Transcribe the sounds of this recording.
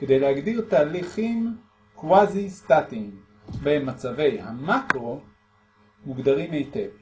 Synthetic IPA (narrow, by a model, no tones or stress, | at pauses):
ked̪ejlehaɡdiʁt̪aːliχim | kwazist̪atim | benmat͡save̞jhamakʁo̞ | muɡd̪aʁimejtev